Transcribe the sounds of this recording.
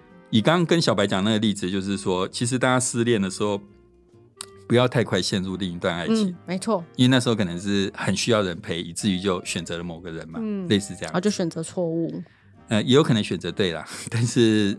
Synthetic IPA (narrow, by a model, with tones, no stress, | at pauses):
i˨˩kɑ˥˦ŋkə˦nɕjɑ˨ʊpa˧˥ɪt͡ɕjɑ˨˩ŋna˥ɡə˩li˥˩d͡zɹ̩˨˩t͡ɕjo˥˧ʊʂ̬ɻ̩˥˩swɔ˥t͡ɕʰi˧˥ʂ̬ɻ̩˧˥t̪a˥˧t͡ɕa˥sɹ̩˥˧ljɛ˥˩nd̪ə˩ʂɻ̩˧˥xo˥˩ʊ | pu˧˥jɑ˥˧ʊt̪ʰa˥˧ɪkʰwa˥˧ɪɕjɛ˥˧nɻu˥˧t̪i˥˩ŋi˧˥t̪wa˥˧na˥˩ɪt͡ɕʰi˨˦me˧˥ɪt͡sʰwɔ˥˩i˥nwe˥˧na˥˩ʂɻ̩˧xo˥˧ɤ˨˩n˧˦ŋʂɻ̩˥˩xə˨˩nɕy˥jɑ˥˩ʊɻə˧˦npʰe˧˥ɪi˨˩t͡sɹ̩˥˩y˧˥t͡ɕjo˥˩ʊɕɥɛ˨˩nt͡sɤ˧˦lə˧mo˨˩ɡə˨ɻə̰˧˦nmɐ˨˦le˥˧ɪʂ̩˥˧ʈ͡ʂɤ˥˧jɑ̰˥˨˧t͡ɕjo˥˩ʊɕɥɛ˨˩nt͡sɤ˧˥t͡sʰwɔ˥˧u˥˩ | ə˧jɛ˧˥jʊkʰɤ˨˩nə˧ŋɕɥɛ˨nt͡sɤ˧˦t̪we˥˩ɪlɐ̰˩t̪a˥˧nʂɻ̩˥˩